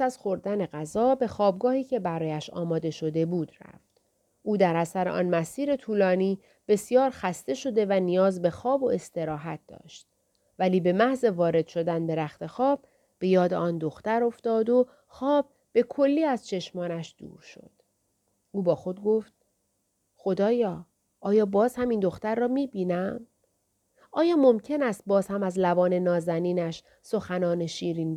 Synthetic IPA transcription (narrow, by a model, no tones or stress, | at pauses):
æsæz̥xo̞ɾd̪æne̞ɣæzɒːbe̞xɒːb̚ɡɒːhiːcʰe̞bæɾɒːjæʃɒ̰ːmɒːd̪e̞ʃo̞d̪e̞buːd̪ræ̰ft̪ | ʔuːd̪æɾæsæɾe̞̰ʔɒ̰ːnmæsiːɾe̞t̪ʰuːlɒːniː | b̥e̞sjɒːɾxæst̪e̞ʃo̞d̪e̞vænijɒːzbe̞xɒːbo̞e̞st̪e̞ɾɒːɦæt̪̚d̪ɒ̰ːʃt̪̚ | væliːbe̞mæhze̞vɒːɾe̞d̪ʃo̞d̪ænd̪e̞ɾæxt̪e̞xɒːb̥̚ː | e̞jɒːd̪e̞̰ʔɒːnd̪oxt̪æɾo̞ft̪ɒːd̪o̞ | xɒːb̥̚ːe̞kʰo̞lːiːæz̥t͡ʃʰe̞ʃmɒːnæʃd̪̥ṵːɾʃo̞̰d̪̥ | ʔuːbɒːxo̞d̪̚ɡo̞ft̪̚ | xo̞d̪ɒːjɒː | ʔɒːjɒːbɒːz̥hæmiːnd̪o̞xt̪æɾːɒːmiːbiːnæm | ɒːjɒːmo̞mcʰe̞næst̪̚bɒːzhæmæzlævɒːne̞nɒːzæniːnæʃ | so̞xænɒːne̞ʃiːɾiːn